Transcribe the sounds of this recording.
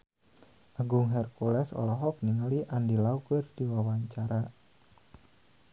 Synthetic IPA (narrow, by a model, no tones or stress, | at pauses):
ʔaɡʊŋɦɛrkulɛsɔ̰lɔɦɔk̚niŋaliʔandilaukərd̥iwawaɲt͡ʃaɾa